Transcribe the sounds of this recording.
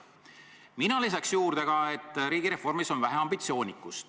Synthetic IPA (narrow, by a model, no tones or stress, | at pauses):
minɑlis̬ɑksjuːɾd̪̥eɡ̥ɑe̞t̪ːˑɾiːɡiɾe̞hfo̞rmiso̞nvæɦeɑmbit̪sio̞ːnʲikːˑust̪